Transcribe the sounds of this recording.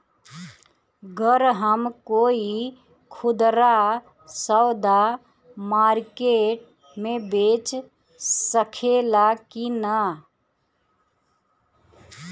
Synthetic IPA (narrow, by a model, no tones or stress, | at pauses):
ɡəɾɦəmkoːi | kʰʊd̪ɾa | səwd̪a | maːɾkeːʈ̚ | mẽbeːt͡ʃ | səkʰelakinə